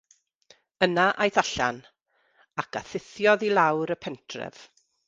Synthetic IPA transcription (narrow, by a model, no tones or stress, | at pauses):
ənaʔajθaɬa̰n | akʰaθɪθjɔðilˠawɾəpʰɛntʰrɛ̰v̥